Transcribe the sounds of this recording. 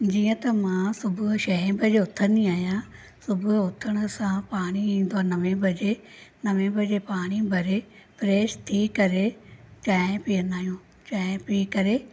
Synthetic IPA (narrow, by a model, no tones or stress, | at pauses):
d͡ʑiːə̃t̪ɐmãsʊbʱʊʃɐɦẽbʱəd͡ʑeʊt̪ʰəniaːɦijã | sʊbʱʊʊt̪ʰəɽ̃ʊ̆sãpaːɽ̃iĩːn̆d̪oaːnɐʋẽbʱɐd͡ʑe | nɐʋẽbʱɐd͡ʑepaːɽ̃ibʱɐɾe | fɾeːʃt̪ʰikɐɾet͡ɕaːɪ̃piːənaːɦijũː | t͡ɕaːɪ̃piːkɐɾe